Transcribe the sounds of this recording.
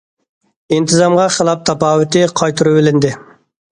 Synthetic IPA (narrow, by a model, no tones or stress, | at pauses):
ɪnt̪ʰɨzɑmʁɑχəlˠɑp̚t̪ʰɑpɑːwɪt̪ʰɪqʰɑjt̪ʰuɾɨbɪlɪnd̪ɪ